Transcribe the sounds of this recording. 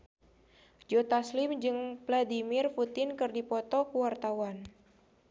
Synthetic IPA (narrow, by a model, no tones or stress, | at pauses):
d͡ʒot̪aslɪmd͡ʒɨŋpladimirfut̪ɪnkɨrdipɔt̪ɔkuwart̪awan